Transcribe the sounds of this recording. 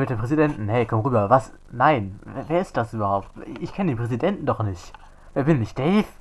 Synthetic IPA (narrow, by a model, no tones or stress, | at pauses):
mɪt̚deːmpʁ̥ɛzidɛntn̩hɛɪkʰɔmʁyːbɐvas | naɪnvveːɐɪst̚d̥asʔyːbɐhaʊp̚tɪçkʰɛnədeːnmpʁ̥ɛzidɛntn̩dɔχnɪçt | v̥eːɐbɪnnɪçt̚d̥ɛːf